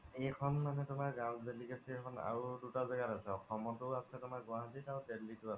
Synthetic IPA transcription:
ejkʰɔnmanɛtʊmaɹɡãwzelikasiɛkʰɔna̰ɹudutazɛɡatasɛɔkʰɔmɔtʊasɛtʊmaɹɡʊaɦatitawtelːitʊasɛ

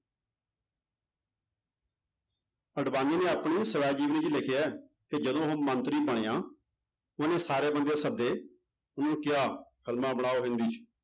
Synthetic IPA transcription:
əɖbãːniːnẽːəpɳiːsəʋaːd͡ʒiːʋniːt͡ʃlɪkʰjaɛː | k̪eːd͡ʒəd̪õːɦoːmə̃nt̪ɾiːbəɽ̃eːãː | ʊnẽːsaːɾeːbənd̪ejãːsəb̚d̪eː | ʊnõːkɪjaːkʰəlmãːbəɽ̃aːoːɦɪ̃nd̪iːt͡ʃ

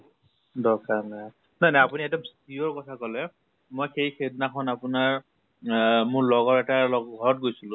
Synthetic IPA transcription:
dɔkanaj | nanaapuniɛdɔmstiɔɹkɔtʰakɔlɛ | mojxejxednakʰɔnapʊnaɹ | mʊɹlɔɡɔɹɛtalɔɡʱɔɹɔt̚ɡojsilʊ̃

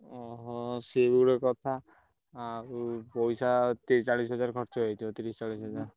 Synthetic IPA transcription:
ɔɦɔsebuɽekɔt̪ʰa | pɔjsat̪et͡ʃaɭisɦɔd͡ʒaɾkɔɾt͡ʃɔɦɔt̪ʰiɔt̪iɾist͡ʃaɭisɦɔd͡ʒaɾ

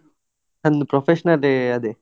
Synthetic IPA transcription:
ɐnd̪upɾofʰeʃɐnɐleɐd̪e

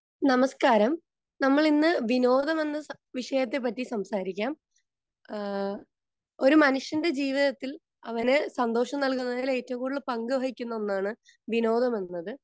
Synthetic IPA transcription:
nɐmɐskaːɾɐm | nɐmːɐɭinːɨʋino̞ːðɐme̞nːɐ | ʋiʂɐjɐt̪̬ːe̞p̬ːɐtːisɐmsaːɾikʲːaːm | o̞ɾumɐnuʂjɐnde̞d͡ʑiːʋiðɐt̪ːil | ɐʋɐnesɐnd̪o̞ːʂɐmnɐɭkunːɐðile̞ːtːɐʋumkuːɭːɨpɐŋɡɨʋɐɣikʲːunːɐonːaːɳɨ | ʋino̞ːðɐme̞nːɐðɨ

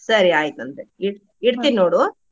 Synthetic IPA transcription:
sɐɾiaːjɪt̪ːɐnd̪ɯɪɽ | ɛɽɯt̪ːinːoːɽoː

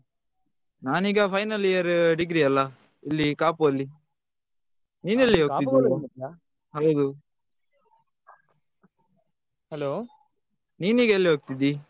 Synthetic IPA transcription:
naːniːɡɐpʰɐjnɐlijɐɾɖiɡɾiɐlːɐ | ilːikaːpuɐlːi | niːnɐlːiɦoːk̪ːid̪i | ɦɐwd̪u | hɛlo | niːniːɡɐɐlːiɦoːɡ̚t̪id̪ːi

